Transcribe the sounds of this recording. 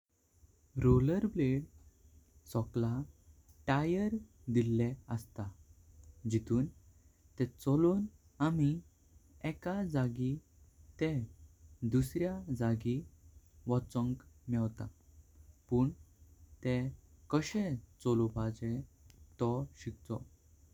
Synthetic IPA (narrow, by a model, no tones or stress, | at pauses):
ɾoləɾbleɽ | sɔklaʈajəɾ | d̪ilːeəst̪a | d͡ʑit̪uːn | t̪ɛt͡sɔlon | ami | ɛkad͡zaɡi | t̪ẽ | d̪usɾjad͡zaɡi | ʋɔt͡səŋkmɛʋt̪a̰ | puːɳt̪ekəɕẽt͡sɔlobad͡zẽt̪ɔɕik̚t͡sɔ